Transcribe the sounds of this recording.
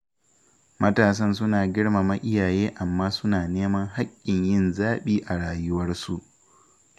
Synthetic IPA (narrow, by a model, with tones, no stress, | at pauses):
mɐ˦taː˨s̬ɐ˦nsʊ˦naː˨ɡʲɪ˦ɽma˨mɐ˦ʔɪ˦jaː˨jeː˦ʔa˨mːaː˦sʊ˦naː˨neː˦mɐ˦ŋɦa˦kʲʼːɪ˨ɲjɪ˦˨nzaː˦ɓiː˦ʔa˨ɽaː˨jʊ˦wɐ˦rsu˦ʔ